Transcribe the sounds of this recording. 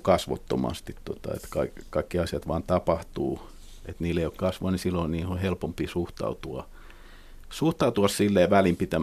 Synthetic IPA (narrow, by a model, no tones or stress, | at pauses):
kɑsʋo̰t̪ːo̰mɑ̰st̪it̪to̰t̪ɑ̰ḛt̪kɑikkɑikːiɑsiɑt̪ʋɑːnt̪ɑpɑht̪uː | et̪niːlːˑeijokkɑsʋoɑnisilːoinniːhohelpompiːsuht̪ɑ̰ut̪uɑ | suht̪ɑut̪uɑssilːeːʋælimpit̪æm